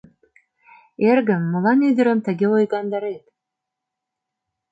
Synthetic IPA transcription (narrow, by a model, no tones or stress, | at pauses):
erɣə̆mːə̆lɑnyd̪ə̆ɾə̆mt̪ə̆ɣʲeojɣɑnd̪ɑɾet̪̚